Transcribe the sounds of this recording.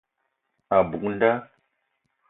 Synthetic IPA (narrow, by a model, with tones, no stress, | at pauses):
a˨bu˨kn˦da˦